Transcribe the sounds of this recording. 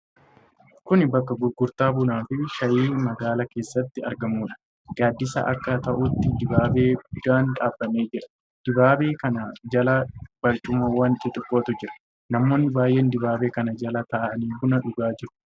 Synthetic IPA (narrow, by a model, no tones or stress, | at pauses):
kʊnɪbɐkːɐɡʊɾɡʊɾt̪aːbʊnaːfɪʃɐjiːmɐɡaːlɐke̞ːsːɐt̪ːɪɐ̰ɾɡɐmuːᶑɐ̥ | ɡ̥aːd̪ːɪsɐ̰ʔɐ̰kːɐt̪ɐʔʊt̪ːɪd̪ɪbaːbe̞ːɡʊd̪aːnᶑaːbːɐme̞ːd͡ʒɪɾɐ̥ | d̪̥ɪbaːbe̞ːkɐnɐd͡ʒɐlɐb̥ɐɾt͡ʃʼʊmɐwɐnt̪ʼɪt̪ʼɪkʼːoːt̪ʊd͡ʒɪɾɐ̥ | nɐmːo̞ːnːɪbaːjʔe̞ːnd̪ɪbaːbe̞ːkɐnɐd͡ʒɐlɐt̪ɐʔʔɐniːbʊnɐᶑʊɡaːd͡ʒɪɾʊ̥